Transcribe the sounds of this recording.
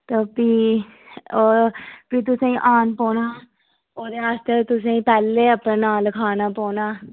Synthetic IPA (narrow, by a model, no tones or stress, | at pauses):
t̪oːpiː | oːpiːt̪̬ʊsẽːĩːʔaːnpɔːnaː | oːd̪eːaːst̪eːt̪ʊs̬ẽːĩːpɛːlːeːəpnẽːnaːlkʰaːnaːpɔːnaː